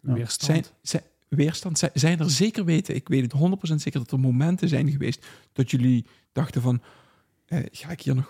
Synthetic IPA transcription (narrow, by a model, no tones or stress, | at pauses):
sɛjnz | ʋɪːɹstɑntɛzɛjnəɹzeːkərʋeːtəʔɪkʋejtətɦɔndərtprows̬ɛntseːkəɹdɑtəɹmomɛntəzɛ̰jnɣəʋḛjstd̥ɔtjɵli | d̥ɑxtəvɑn | ʔə̰ːɣaːɪkɦiːɹnɔx